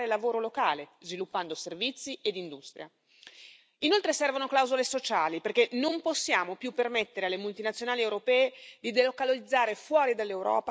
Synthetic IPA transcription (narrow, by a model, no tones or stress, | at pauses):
ɾelavoːɾolokaːlezvilupːand̪oservit̪sːied̪ind̪ust̪ɾja | inolt̪ɾesɛrvonoklawzolesot͡ʃaːliperkenomposːjaːmopjupːermet̪ːeɾealːemult̪inat̪sːjonaːliewɾopɛːed̪id̪elokalolid̪zːaːɾefwɔːɾid̪alːewɾɔ̰ːpa